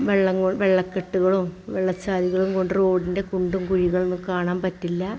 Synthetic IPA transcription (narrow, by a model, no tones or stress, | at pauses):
ʋeɭːɐŋːoʋeɭːɐkːeʈːuɣɐɭumʋeɭːɐt͡ɕːaːɾiɣɐɭumko̞ɳɖɨro̞ːɽinde̞kuɳɖumkuɻiɣɐɭnkːɨkaːɳaːmpɐtːilːɐ